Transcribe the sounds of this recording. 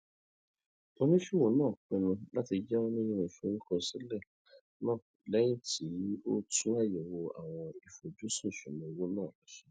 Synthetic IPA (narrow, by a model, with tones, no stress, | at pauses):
o˦nĩ˦fi˦wo˨˦nãː˦˨k͡pɛ˧nũ˧la˦ti˧˦d͡ʒɛ˦wɔ̃˦nĩ˦ĩ˦˧ɾ̃ĩ˨fo˨˦ɾĩ˦kɔ̃˧sĩ˦lɛ˦˨ | nãː˦˨ | lɛ˨˦j̃ĩ˦tʰi˨˦o˦tũ˦a˦˨jɛ˨wo˧a̰˨w̃ɔ̃˧i˨fo˨d͡ʒo˦sũ˦˨ʃũ˨nũ˨wo˦nãː˦˨la˨˦sĩ̥˦